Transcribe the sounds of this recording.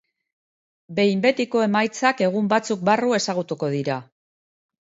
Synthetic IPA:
be̞jmbe̞t̪iko̞e̞majt͡sake̞ɣ̞umbat͡suk̚barue̞saɣ̞ut̪uko̞ðiɾa

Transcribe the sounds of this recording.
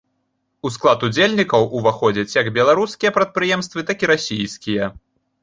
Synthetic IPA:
usklˠat̪ud͡zʲelʲnʲikɐwʔuvaxɔd͡zʲɐt͡sʲjɐɡbʲɛlˠaɾuskʲijɐpɾɐt̪̚pɾɨjɛmst̪vɨt̪akʲiɾasʲijskʲijɐ

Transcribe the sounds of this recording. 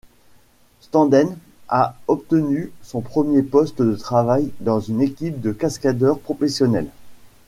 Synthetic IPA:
st̪ɑ̃d̪ɛn | aɔpt̪ənysɔ̃pχəmjepɔst̪d̪ət̪χavajd̪ɑ̃zynekʲip̚d̪əkaskad̪œʁpχɔfesjɔnɛl

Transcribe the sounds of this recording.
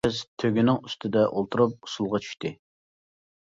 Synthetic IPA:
ɪzt̪ʰøɡʲynɪŋyst̪ʰɪd̪ɛʔolˠt̪ʰuɾup̚u̥sulˠʁɑt͡ʃʰy̥ʃt̪ɪ

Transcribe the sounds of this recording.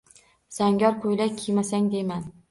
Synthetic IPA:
z̥aŋɡʲɒɾkʰojlakʲʰimasaŋd̪eman

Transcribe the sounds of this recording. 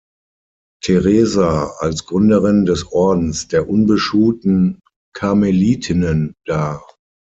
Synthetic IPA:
tʰeʁeːzaalsɡ̥ʁʏndəʁɪndɛsʔɔɐdn̩sd̥eːɐʔʊnbəʃuːtn̩ | kʰameliːtʰɪnənd̥aː

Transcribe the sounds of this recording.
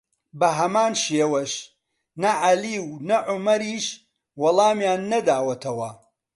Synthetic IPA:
bɐɦɐmaːnʃeːwɐʃ | nɐʕaliːwnɐʕʊmɐɾiːʃ | wɐlˠaːmjaːnːɐd̪aːwɐt̪ʰɐwɐ

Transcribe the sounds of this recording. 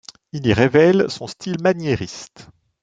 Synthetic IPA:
iliʁevɛlsɔ̃st̪ʰilmanjeʁist̪

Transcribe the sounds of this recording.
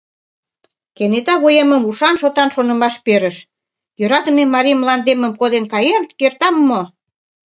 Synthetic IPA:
kenet̪ɑβojemə̆muʃɑnʃot̪ɑnʃonə̆mɑʃpeɾə̆ʃ | jøɾɑt̪ə̆memːɑɾimlɑnd̪emə̆mkod̪enkɑjert̪kert̪ɑmːo

